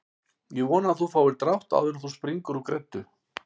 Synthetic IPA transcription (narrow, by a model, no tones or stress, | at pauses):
jɛɣvɔːnaːθufaːwvɪɾt̪ɾaht̪a̰wðʏnθuspɾiŋkʏɾukɾɛt̪ːʏ